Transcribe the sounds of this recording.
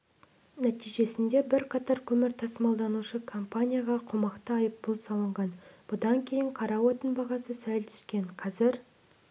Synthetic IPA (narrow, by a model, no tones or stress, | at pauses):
næt̪ijʒe̞sɪnd̪e̞bɪɾqʰɑt̪ɑɾkʲʰɵmɪɾt̪ʰɑsəmɑlˠd̪ɑnuʃəkʰo̞mpanʲijaʁɑqʰʊmɑqt̪əɑjəpbʊlˠsɑlˠəɴʁɑnb̥ʊd̪ɑŋkʲʰe̞jɪɴqʰɑɾɑwot̪ənbɑʁɑsəsælt̪ʰʏ̥skʲe̞ɴqʰɑzɪɾ